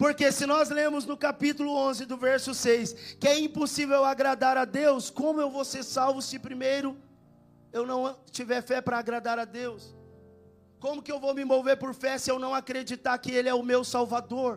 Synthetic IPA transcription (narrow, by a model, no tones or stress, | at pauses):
poɾkesɪnɔzlẽmʊznʊkapit̪ʊlʊõzɪd̪ʊvɛɾsʊsejskɪɛĩposivewaɡɾad̪aɾad̪ewskõmʊewvoseɾsawvʊsɪpɾimejɾʊ | ewnɐ̃w̃t͡ʃivɛɾfɛpɾɐːɡɾad̪aɾad̪ews | kõmʊkɪewvowmɪ̃mowveɾpoɾfɛsɪewnɐ̃w̃akɾed͡ʒit̪aɾkɪelɪɛʊmewsawvad̪oɾ